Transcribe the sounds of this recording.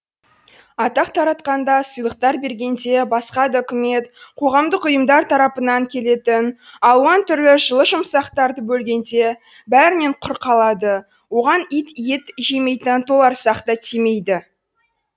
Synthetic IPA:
ɑt̪ɑqt̪ʰɑɾɑt̪qɑnd̪ɑsəjlˠəqt̪ɑɾbe̞ɾɡʲe̞nd̪e̞bɑsqɑd̪əɵkʲɪme̞t̪qʰo̞ʁɑmd̪əqʊjəmd̪ɑɾt̪ʰɑɾɑpənɑŋkʲʰe̞le̞t̪ɪnɑlˠwɑnt̪ʰʏɾlɪʒəlˠəʒəmsɑqt̪ɑɾd̪əbɵlɡʲe̞nd̪e̞ | bæɾɪne̞ɴqʰʊɾqʰɑlˠɑd̪ə | wo̞ʁɑnijt̪jet̪ʒeme̞jt̪ɪnt̪ʰolˠɑɾsɑqt̪ɑt̪ʰime̞jd̪ɪ

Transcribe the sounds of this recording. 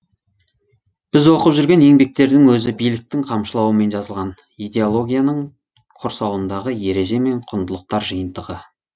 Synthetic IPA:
b̥ɪzwo̞qəpʒʏɾɡʲe̞ne̞ŋbe̞k̚t̪e̞ɾd̪ɪŋwɵzɪbijlɪk̚t̪ɪŋqʰɑmʃəlˠɑwəme̞nʒɑzəlˠʁɑn | ijd̪e̞olˠo̞ɡʲijanəɴ | qʰoɾsɑwənd̪ɑʁəje̞ɾe̞ʒe̞me̞ɴqʰʊnd̪əlˠəq̚t̪ɑɾʒəjənd̪əʁə

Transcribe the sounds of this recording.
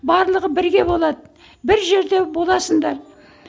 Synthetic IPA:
bɑɾlˠəʁəbɪɾɡʲe̞bo̞lˠɑd̪ə | bɪɾʒe̞ɾd̪e̞bo̞lˠɑsəŋd̪ɑɾ

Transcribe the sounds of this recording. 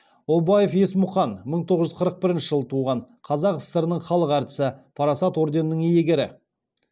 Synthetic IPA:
obɑje̞fe̞smʊχɑnməɴt̪ʰoʁəʒʏzqʰəɾəq̚bɪɾɪnʃəʒəlˠət̪ʰuʁɑɴ | qʰɑzɑqəst̪əɾənəɴχɑlˠəqæɾt̪ɪ̥sɪpʰɑɾɑsɑt̪wo̞ɾd̪e̞nnəɴijeɡʲe̞ɾɪ̰

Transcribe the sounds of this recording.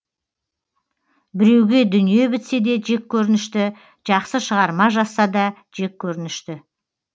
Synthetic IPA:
bɪɾe̞wɡʲe̞d̪ʏnije̞bɪt̪se̞d̪e̞ʒe̞kʲʰːɵɾɪnɪʃt̪ɪ | ʒ̥ɑqsəʃəʁɑɾmɑʒɑsːɑd̪ɑ | ʒ̥e̞k̚ʲʰːɵɾɪnɪʃt̪ɪ

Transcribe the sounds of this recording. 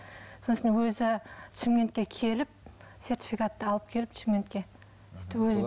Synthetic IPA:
soəsnnwɵzɪt͡ʃʰɪmkʲe̞nt̪kʲe̞kʲʰe̞lɪp̚se̞ɾt̪i̥fikat̪ːəɑlˠəp̚kʲʰe̞lɪpt͡ʃʰɪmkʲe̞nt̪kʲe̞ | ɪ̥t̪ːwɵzɪ

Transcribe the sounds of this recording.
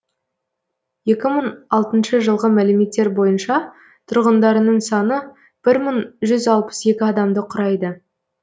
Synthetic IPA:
je̞kʲɪməɴɑlˠt̪ənʃəʒəlˠʁəmælɪme̞t̪ːe̞ɾbo̞jənʃɑ | t̪ʰʊɾʁənd̪ɑɾənəɴsɑnə | b̥ɪɾməɴʒʏzɑlˠpə̥se̞kʲɪɑd̪ɑmd̪əqʰʊɾɑjd̪ə

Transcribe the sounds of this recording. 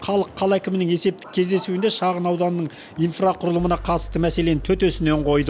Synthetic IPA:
χɑlˠəqʰːɑlˠækʲɪmɪnɪŋe̞se̞p̚t̪ɪ̥kʲʰe̞zd̪e̞suɪnd̪eʃɑʁənɑwd̪ɑnəːəɴ | ijnfraqʰʊɾəlˠəmənɑqʰɑt̪ə̥st̪əmæse̞le̞nɪt̪ʰɵt̪øsɪne̞ɴqʰo̞jd̪ə

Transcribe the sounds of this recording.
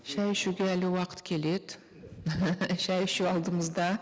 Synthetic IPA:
ʃæjʃuɡʲeælɪwɑqʰə̥t̪kʲʰe̞led̪ | ʃæjʃuɑlˠd̪əməzd̪ɑ

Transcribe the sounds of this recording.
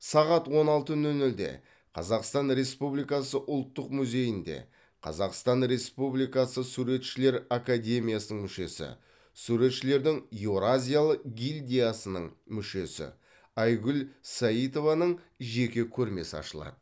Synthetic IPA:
sɑʁɑt̪wo̞nɑlˠt̪ənɵnɵld̪e̞̰ | qʰɑ̰zɑqst̪ɑnɾe̞spublijkɑsəʔʊlˠt̪ːəqmʉze̞jɪnd̪e̞̰ | qʰɑ̰zɑqst̪ɑnɾe̞spublijkɑsəsuɾe̞t̪ʃɪle̞ɾakad̪ʲe̞mʲijasənəɴmʏʃe̞̰sɪ̰ | suɾe̞t̪ʃɪle̞ɾd̪ɪŋjeɾazʲijalˠəqɡʲilʲd̪ʲijasənəɴmʏʃe̞sɪ̰ | ɑjɡʲʏlsaijt̪o̞vɑnəɴ | ʒe̞kʲe̞kʲʰɵɾme̞sɑ̰ʃəlˠɑ̰d̪̥ə

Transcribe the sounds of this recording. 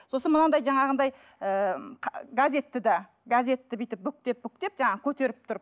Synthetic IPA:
so̞sənmənɑd̪ɑjʒɑɴɑʁənd̪ɑj | əqʰɡazʲe̞t̪ːɪd̪ɑ | ɡazʲe̞t̪ːɪbijt̪ɪp̚bːʏk̚t̪e̞p̚bʏk̚t̪e̞p̚ʒɑɴɑʁəkʲʰɵt̪e̞ɾɪp̚t̪ʰʊɾp

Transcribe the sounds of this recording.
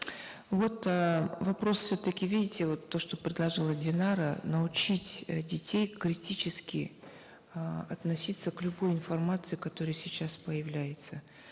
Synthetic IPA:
vo̞t̪vɐpɾo̞sfsʲɵt̪əkʲɪvʲidʲɪtʲɪvo̞t̪ːo̞ʂt̪o̞pɾʲɪd̪lˠɐʐɨlˠədʲɪnaɾənəʊt͡ɕitʲdʲɪtʲejkɾʲɪtʲit͡ɕɪskʲɪ | ɐt̪nɐsʲit̪səklʲʊbo̞jɪnfɐrmat̪sɨɪkɐt̪o̞ɾɨjəsʲɪt͡ɕaspəjɪvlʲæjɪt̪sə

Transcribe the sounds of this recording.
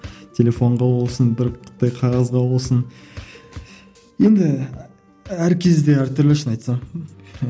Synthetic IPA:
tʲʰe̞lʲe̞fo̞ɴʁɑwo̞lˠsənbɪɾqʰə̥t̪ɑjqʰɑʁɑzʁɑwo̞lˠsən | je̞nd̪ɪ | æɾkʲʰe̞zd̪e̞æɾt̪ʰʏɾlɪʃənɑjt̪sɑɴ

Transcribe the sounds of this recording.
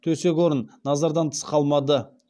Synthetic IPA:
t̪ʰɵse̞kʲwo̞ɾənːɑzɑɾd̪ɑnt̪ʰə̥sqɑlˠmɑd̪ə

